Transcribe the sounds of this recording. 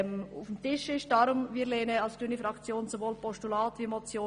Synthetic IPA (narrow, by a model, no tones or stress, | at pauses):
mʊfmtɪʃɪʃd̥ɑːɾʊmviːlɛːnəɑlsd̥ynifɾɑkt͡sjoːnsovoːlpɔʃtulaːtʋimɔt͡sjoː